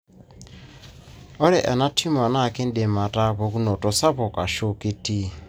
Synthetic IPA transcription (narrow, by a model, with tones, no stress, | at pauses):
ɔ˦ɾɛ˨ʔa̰˨na˦tʰi˦m˨a˨na˦˨ke˦n̩˦de˨ma˨ta˦pɔ˨ku˦nɔ˨tɔ˨sa˦pɔ˨ka˨ʃo˦ki˦ti˦